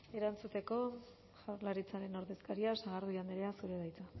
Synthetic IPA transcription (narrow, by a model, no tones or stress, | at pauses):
e̞ɾant͡sut̪e̞ko̞ | aɾlaɾit͡saɾe̞no̞ɾðe̞skaɾiasaɣ̞aɾðiand̪eɾeasuɾe̞ðajt͡s̪a